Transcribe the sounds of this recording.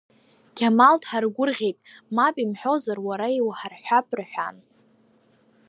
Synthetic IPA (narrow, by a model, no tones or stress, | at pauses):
kʲʰamaltʰħarɡʷʊrʁʲejtʼmapʼimħʷᶣozarwaɾaiwħarħʷᶣapʰʼrħʷᶣa̰n